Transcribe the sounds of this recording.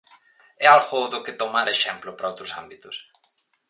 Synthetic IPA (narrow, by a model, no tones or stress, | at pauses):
ɛalɣoðʊket̪omaɾeʃɛmplʊpɾɐowt̪ɾʊsambit̪ʊs